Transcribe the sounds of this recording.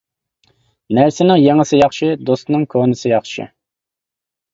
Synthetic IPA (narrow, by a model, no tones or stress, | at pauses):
næɾsɪnɪŋjeŋəsɨjɑχʃɪd̪ost̪nɨŋkʰonɨsɨjɑχʃɪ̰